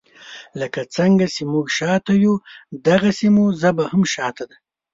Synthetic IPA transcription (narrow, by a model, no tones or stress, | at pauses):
ləkat͡səŋɡasemuɡʃɑt̪ajud̪aɣasimuzabahamʃɑt̪ad̪a